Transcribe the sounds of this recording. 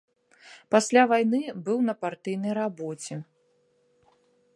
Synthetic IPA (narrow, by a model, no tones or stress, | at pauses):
pasʲlʲavajnɨbɨwnɐpart̪ɨjnɐjɾabɔt͡sʲɛ